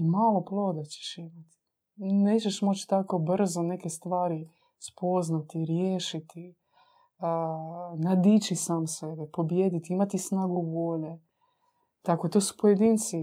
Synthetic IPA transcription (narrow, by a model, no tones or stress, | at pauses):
maːlˠo̞plˠo̞ːd̪at͡ɕe̥ʃimat̪i̥ | neːt͡ɕeʃmo̞t͡ʃt̪ako̞br̩zone̞kest̪ʋaːɾi | spo̞znat̪iɾjeːʃit̪i | nad̪it͡ʃisaːmsebɛpo̞bjed̪it̪iimat̪isnaːɡuboːʎe | t̪ako̞t̪osu̥pojed̪iːnt̪si